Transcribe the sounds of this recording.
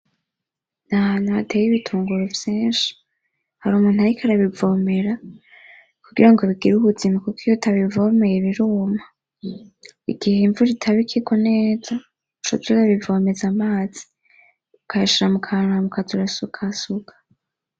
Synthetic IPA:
nahanuatʰe̞jiβitʰuːŋɡuɾovjeːnʃi̥ | haɾuːmuːn̥haɾikʰaɾaβivo̞me̞ɾa | kuɡḭɾaŋɡoβiɡiɾuβuzimakukʰijotʰaβivo̞me̞jeβiɾuma | ḭɡiheɱvuɾitʰaβikʰikoneːza | ut͡ʃotuɾaβivo̞me̞zamaːz̥i̥ | ukaiʃiɾamukʰaamukʰazuɾasukʰasuɡḁ

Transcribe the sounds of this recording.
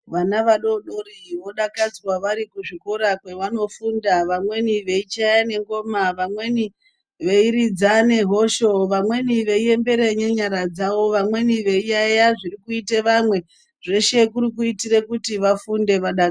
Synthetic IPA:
ʋanaʋaɗoɗoɾiʋo̞ɗakad͡zrwaʋaɾikuʐikoɾakwe̞ʋano̞fundaʋamwe̞niʋe̞it͡ʃajane̞ŋɡo̞maʋamwe̞ni | ʋe̞iɾid͡zane̞ɦo̞ʃo̞ʋamwe̞niʋe̞ie̞mbe̞ɾeɲeɲaɾad͡zawo̞ʋamwe̞niʋe̞ijajaʐirikuiteʋamwe̞ | ʐe̞ʃe̞kuɾikuitirekutiʋafunde̞ʋaɗak

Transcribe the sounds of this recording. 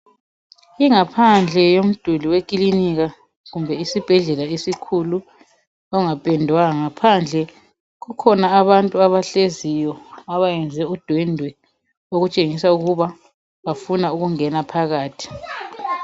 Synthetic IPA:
iŋapʰand͡ɮʱɛjom̩d̥ʱuliwekʼiliniɣa | ɣumbʱɛisib̥ʱɛɮɛlaesikʰulu | ɔŋapʼɛndʱwaŋapʰand͡ɮʱɛ | ɣukʰɔnaːβantʼuaβaɬezijɔaβajɛnd͡zʱɛud̥ʱwɛndʱwɛ | oɣut͡ʃʼeŋisauɣuβa | βafunauɣuŋɛnapʰaɣaːtʰi̥

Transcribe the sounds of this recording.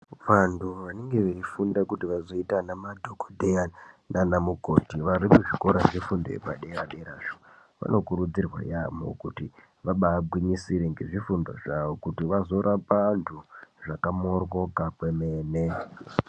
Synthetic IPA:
ʋantʰuʋaneŋɡe̞ʋeifundakutiʋazo̞itanamadʱokodʱeananamuko̞tiʋaɾimuʐiko̞ɾaʐifundo̰ḛpaɗeeɾaɗeeɾaːʐo | ʋa̰no̞kuɾud͡zirwa̰jamo̞̰kuti | ʋaɓaːbʱwiɲisiɾeŋɡe̞ʐifundo̰ʐaʋokutiʋazo̞ɾʔapantʰuʐakamorwo̞kakwemeːne

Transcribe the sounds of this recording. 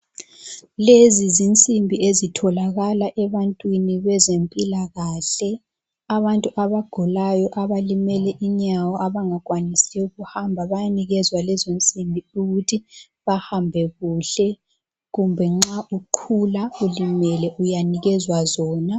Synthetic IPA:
lezizint͡sʼimbʱiezitʰɔlaɣalaʔɛβantʼwiniβɛzempʼilaɣaːɬɛ | aβantʼuʔaβaɡ̥ʱɔlajɔʔaβalimɛlɛʔiɲawɔʔaβaŋaɣwanisiɛuɣuhambʱaβajaniɣɛzwalɛzont͡sʼimbʱiuɣutʰi | βahambʱɛɣuɬɛ | ɣumbʱɛŋ͡ǁaʔuǃʰulaulimɛlɛʔujaniɣɛzwazɔːna

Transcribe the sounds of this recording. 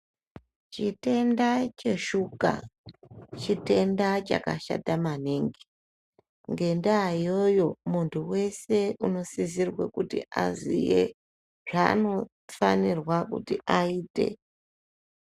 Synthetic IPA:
t͡ʃite̞ndat͡ʃe̞ʃuka̰ | t͡ʃite̞ndat͡ʃa̰kaʃa̰tamaneŋɡi | ŋɡe̞ndaijojo̞muntʰuwe̞se̞uno̞sizirwekutḭʔazḭje | ʐ̥a̰ːno̞ | fanirwakṵtiʔaiːte̞̰

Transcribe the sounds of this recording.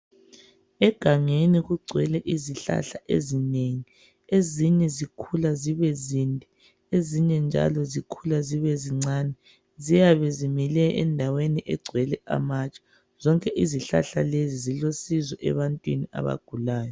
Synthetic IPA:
ɛɡ̥ʱaŋeniɣuɡ͡ǀʱwɛlɛʔiziɬa̰ɬaʔḛzineŋi | eziɲɛzikʰulaziβɛzindʱi | eziɲɛnd͡ʒʱa̰lɔzikʰulaziβɛziŋ͡ǀaːnɛ | zijaβɛzimilɛɛ̰ndʱaweniʔɛɡ͡ǀʱwɛlɛʔa̰mat͡ʃʼḁ | z̥ɔŋkʼɛʔiziɬa̰ɬalezizilosizɔʔɛ̰βantʼwiniʔa̰βa̰ɡ̥ʱulaːjɔ

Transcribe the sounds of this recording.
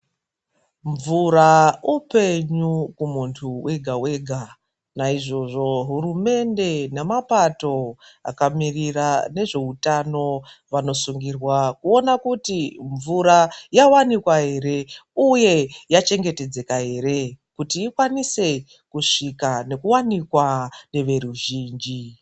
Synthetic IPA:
ɱvuɾaupe̞ɲukumuntʰuwʔe̞ɡʱawe̞ɡʱa | naiʐo̞ʐo̞ɦurume̞nde̞nemapato̞a̰kamirirane̞ʐe̞utano̞ʋano̞suŋɡirwakuo̞nakutiɱvuɾajawanikwaɦe̞ɾe̞uje̞jat͡ʃe̞ŋɡe̞te̞d͡ze̞kaɦe̞ɾe̞kutiːkwanise̞ | kuʂikane̞kuwanikwane̞ʋe̞ɾuʒiːnd͡ʒi

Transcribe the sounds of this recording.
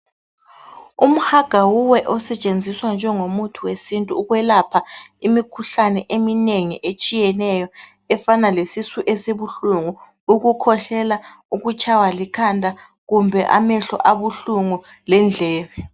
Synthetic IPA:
um̩haɡ̥ʱawuwɛʔɔsɛt͡ʃʼend͡zʱiswand͡ʒʱɛŋomutʰuwesintʼuːɣwɛlapʰaimikʰuɬanɛʔemineŋiʔet͡ʃʼijɛnɛjɔ | ɛfanalesisuʔesiβuɬuŋu | uɣukʰɔɬɛla | uɣut͡ʃʰʼawalikʰandʱa | ɣumbʱɛʔa̰mɛɬɔ̰ʔaβuɬuŋu | lɛnd͡ɮʱɛːβɛ

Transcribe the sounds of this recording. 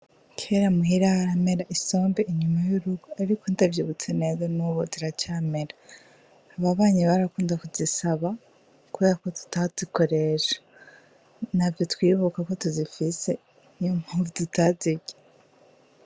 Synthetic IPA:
cʰeɾamuɦiɾahaɾameɾaʔiso̞ːmbeʔiɲumajuɾuɡoaɾikondavjiβut͡sene̞zonuβoziɾacaːmeɾaː | βaβaːɲiβaɾakuːndakuzisaβa | kuβe̞ːɾako̞tu̥taz̥iko̞ɾeʃḁ | navjo̞twiːβukako̞tuzifise̞ | ɲomhuvidutaziɟe

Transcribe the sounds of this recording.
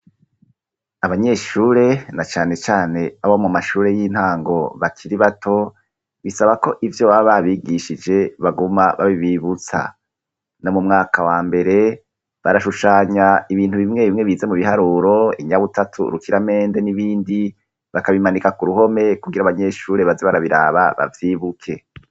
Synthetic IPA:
aβaɲe̞ʃuːɾe̞nat͡ʃaːne̞t͡ʃaːne̞aβomumaʃuːɾe̞jiːn̥haːŋɡo̞βakʰiɾiβatʰo̞ | βisaβako̞ʔivjo̞βaβaβiɡiʃid͡ʒe̞βaɡumaβa̰βiβiβut͡sa̰ | no̞mumŋaːkʰawaːmbe̞ɾe̞ | βaɾaʃuʃaːɲaiβiːn̥huβimŋe̞βimŋe̞βiːze̞muβiɦaɾuːɾo̞iɲaβutatʰṵɾukiɾame̞ːnde̞niβiːndi | βakaβimanikakuɾuho̞me̞kuɡiɾaβaɲe̞ːʃuːɾe̞βazeβaɾaβiɾa̰ːβaβa̰vjiːβukʰe̞

